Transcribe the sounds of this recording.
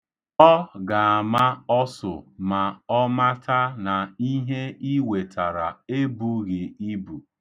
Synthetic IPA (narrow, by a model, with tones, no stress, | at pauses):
ɔ˦ɡa˨a˨ma˦ɔ˦sʊ̰˨ma˨ɔ˦ma˦tʰa˦na˨i˦ɦe˦i˦we˨tʰa˨ɾa˨e˦bu˦ɣɪ˨i˦bu˨